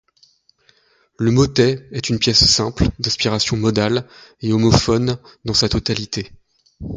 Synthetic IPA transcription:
ləmɔt̪ɛɛt̪ynpjɛsːɛ̃pld̪ɛ̃spiʁasjɔ̃mɔd̪aleɔmɔfɔnd̪ɑ̃sat̪ɔt̪alit̪e

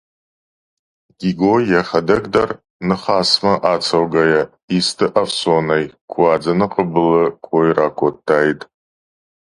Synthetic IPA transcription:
ɡʲiɡojaχʲadɐɡʼdar | nɨχaːsmaʔat͡sʰawɡaja | istʰɨʔafsonajkʷʰaːd͡zanɨqʼəbɨlɨkʷʰʼojrakʷʰʼotʰːaːjtʼ

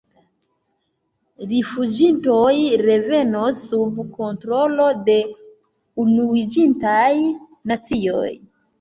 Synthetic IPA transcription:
ɾifud͡ʒinto̞jɾe̞ve̞nosːubko̞ntɾo̞lo̞de̞ | unuid͡ʒintaj | nat͡sio̞̰j

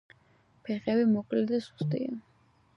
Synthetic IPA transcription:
pʰɛχɛbimɔkʼlɛd̪asu̥st̪ʼḭa

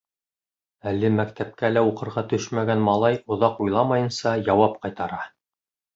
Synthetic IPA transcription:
ælːɘmækt̪æp̚kælæuqɤ̆ɾʁɑt̪ɵʃmæɡænmɑlˠɑjŏðɑqujlˠɑmɑjɤ̆nsɑjɑwɑp̚qɑjt̪ɑɾɑ

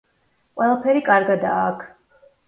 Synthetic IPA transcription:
qʼwɛlˠapʰɛɾikʼaɾɡad̪aːkʰ

